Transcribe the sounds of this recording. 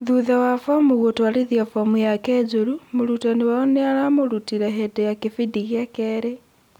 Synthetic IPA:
ðuðawafamuɣotwaliðiafomujakezuɾumuɾutaniwaoneaɾamoɾutiɾaɦedejakifidiɣakeɾe

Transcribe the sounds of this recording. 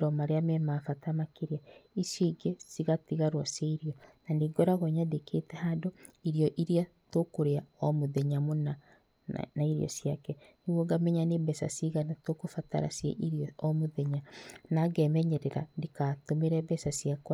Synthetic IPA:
ɾɔmaɾeamɛmafatamakeɾiaisiɡesiɣatiɣaɾwaseiɾiɔnaniɡɔɾaɣɔɲadeketɛhadoiɾjɔʔiɾia | tokoɾeaɔmoðeɲamona | naiɾḭjɔ̰siakɛniɣoɡamɛɲanebɛsa̰siɣanatokofata̰ɾa̰sjɛ̰ʔiɾjɔɔmoðeɲanaɡɛmɛɲɛɾɛɾa̰ndikatomeɾɛbɛsasiakwa

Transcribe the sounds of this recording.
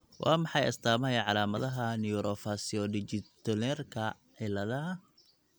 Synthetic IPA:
wʔɑ̰ːmɑħɑjɐ̰st̪ʰaːmɐɐjɐʕɑlaːmɐðɐɦɐnɪjuɾʔɔfasiɔɖɪt͡ʃɪt̪ɔlɛrkʰɐ | ʕɪlɐðɐ

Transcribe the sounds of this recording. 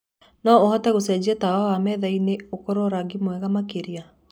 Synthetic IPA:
nɔohɔtɛɣosɛd͡ʑiatawawamɛðaineokoɾoɾaɡimwɛɣamakeɾia

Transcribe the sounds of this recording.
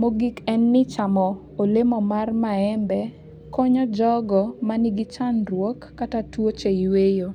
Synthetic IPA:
moɡikɛnːɪt͡ʃamɔ | olemɔmarmaɛmbɛ | kɔɲɔd͡ʒɔɡɔmanɪɡɪt͡ʃanrwɔkːatatwot͡ʃeiwejo

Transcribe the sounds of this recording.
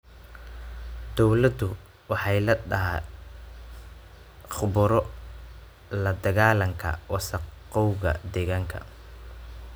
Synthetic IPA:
d̪ɔwlɐd̪ʊ | wɑħɑjlɐɗɐɦa | χʊbʊɾɔ | lɐd̪ɐɣaːlɐŋkʰɐ̰wɑsɐqɔwɣɐ̰d̪ɛɣaːŋkʰɐ̰

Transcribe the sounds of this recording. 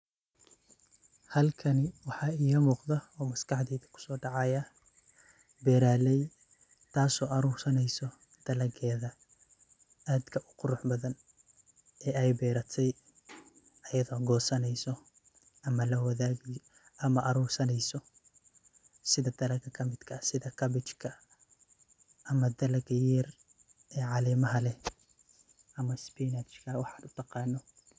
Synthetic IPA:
hɐlkʰɐnɪwɑħɑːiːɣɐmuːqðɐɔːmɐskɑħd̪iːðɐkʰʊ̥sɔːɖɑʕɑjɐ | bɛːɾaːlɛj | t̪ʰaːsɔːʔɑɾuːrsɐnɛjsɔ | d̪̥ɐlɐɡʰɛːðɐ | ʔaːd̪kʰɐʔʊ̥qʊɾʊħbɐðɐn | ɛːɛjbɛːɾɐt̪ʰɛj | ɐjɐðɔːɡɔːsɐnɛjsɔ | ʔɐmɐlɐwɐðaːɣɪ | ʔɐmɐʔɐɾuːrsɐnɛjsɔ | sɪðɐd̪̥ɐlɐɡʰɐkʰɐmɪd̪kʰɐsɪðɐkʰɐβɪt͡ʃkʰɐ | ʔɐmɐd̪ɐlɐɡjɛːr | ɛːʕɑlɛːmɐɦɐlɛ | ʔɐmɐspinɐt͡ʃkʰɐwɑħɑːnʊt̪ʰɑqɑːnːɔ

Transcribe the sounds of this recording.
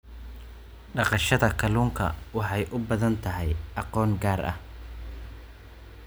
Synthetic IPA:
ɖɑqɑʃɐðɐkʰɐluːŋkʰɐ̰wɑħɑjʔʊbɐðɐnt̪ʰɐɦɛjʔɑqɔːŋɡaːrʔɐ̰h

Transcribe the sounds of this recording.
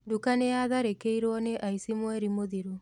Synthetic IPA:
dukaneaðaɾekeiɾwɔneʔaisimwɛɾimoðiɾo

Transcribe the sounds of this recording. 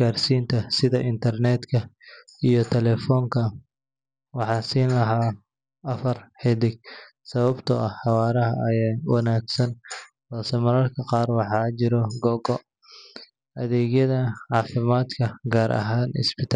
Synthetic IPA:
aːrsiːnt̪ʰɐsɪðɐʔɪnt̪ʰɐrnɛːd̪kʰɐ | ijɞt̪ʰɛlɛfɔːŋkʰɐ | wɑħɑːsiːnlɐɦaː | ɐfɐrħɛd̪ɪɡ̚ | sɐβɐbt̪ʰɐɐhħɑwɑːɾɐɦɐɐjaːwɑnaːɡsɐnhɔːsɛmɐɾɐrkʰɐqɑːrwɑħɑːt͡ʃɪɾɔɡɔɡɔ | ɐðɛːɡjɐðɐʕɑːfɪmaːd̪kʰɐɡaːɾʔɐ̰ɦaːnɪ̰sbɪt̪ʰa

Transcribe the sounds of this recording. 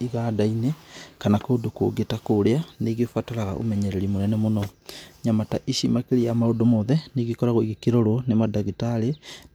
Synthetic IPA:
iɣadainekanakoːdoko̰ɡetakoɾeaneɡefwataɾaɣa̰ʔo̰mɛɲɛɾɛɾimoɾɛnɛmonɔɲamataʔiʃimakeɾijamaodomɔðɛneɡikɔɾaɣoiɣekeɾoɾonemadaɣitaɾe

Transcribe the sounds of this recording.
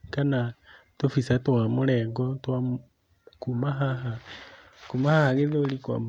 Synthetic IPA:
kana | tofisatwamulɛɡotwa | kumaɦaɦa | kumahahaɣeðolikwa̰m

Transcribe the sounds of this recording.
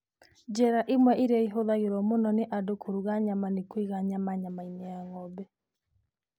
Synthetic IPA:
d͡ʒɛɾaʔimwɛʔiɾɛiɦoðaɣeɾɔmonɔneʔadokʰoɾuɣaɲamanekwiɣaɲamaɲamainɛaŋɔbɛ

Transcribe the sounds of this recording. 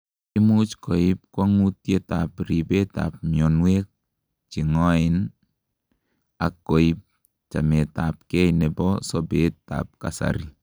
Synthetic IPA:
imut͡ʃkoip̚kwaŋutjetapɾibeta̰p̚mjɔnwek̚ | t͡ʃiŋɔɪn | akːoip̚ | t͡ʃa̰mɛtap̚kɛjnebɔsɔbeta̰p̚ka̰sa̰ɾi

